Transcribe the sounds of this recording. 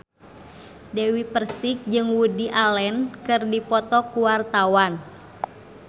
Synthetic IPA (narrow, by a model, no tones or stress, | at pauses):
dɛwipərsik̚d͡ʒɨŋwudiʔalɛnkɨrdipɔt̪ɔkuwart̪awan